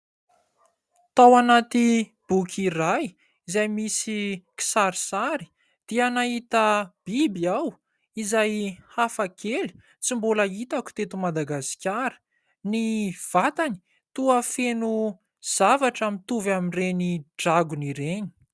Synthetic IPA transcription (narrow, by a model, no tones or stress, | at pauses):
t̪awanat̪ib̥ukʰiraj | izajmisiki̥saɾisaɾi̥ | d̪̥ianaɦit̪əb̥ibiaw | izajhafakʰeli̥ | t͡simbolait̪aku̥t̪et̪umad̪aɡasi̥kʲaɾə̥ | niv̥at̪ani̥ | t̪uafenu | z̥avaʈ͡ʂamint̪uvaminreniɖ͡ʐaɡuniɾeni̥